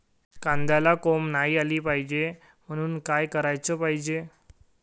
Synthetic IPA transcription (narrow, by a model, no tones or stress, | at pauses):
kãnd̪jalakomnaɦiːaliːpaɦid͡ʑe | m̤əɽ̃uːnkajkəɾajt͡sɔpaɦid͡ʑe